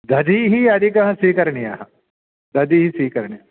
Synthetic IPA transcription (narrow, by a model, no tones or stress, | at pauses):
d̪ʱɐd̪ʱiɦiɐd̪ikɐɦɐ̃sikɐɾɳia̰ɦɐ | d̪ʱɐd̪iɦisikɐɾɳia